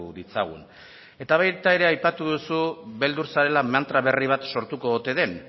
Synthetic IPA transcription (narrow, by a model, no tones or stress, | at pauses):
ðit͡saɣṵn | e̞t̪aβajt̪ae̞ɾe̞ajpat̪uðusuβe̞ld̪uɾsaɾe̞lamant̪ɾaβe̞riβ̞at̪so̞ɾt̪uko̞ot̪e̞ðe̞n